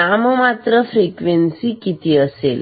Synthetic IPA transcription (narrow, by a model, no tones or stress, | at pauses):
aməmat̪ɾəfɾikʋensikit̪iəsḛl